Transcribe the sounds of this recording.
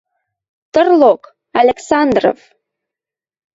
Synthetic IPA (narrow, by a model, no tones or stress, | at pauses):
t̪ərlok | ɑlʲeksɑnd̪ro̰v